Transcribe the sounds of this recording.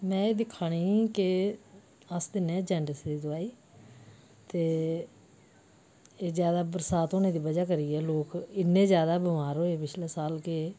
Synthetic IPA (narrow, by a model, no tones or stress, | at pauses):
mɛ̃ːeːd̪ɪkʰːaːɽiːkɪ | əsd̪ɪnɛ̃ːd͡ʒɛ̃ːɳɖəsd̪iːd̪ʊaːiː | t̪eː | eːzjaːd̪aːbəɾsaːt̪oːnẽːd̪iːʋəd͡ʒaːkəɾiːɛːloːkɪnːẽːzjaːd̪aːbɪmaːɾɦoːeːpɪt͡ʃʰleːsaːlkeː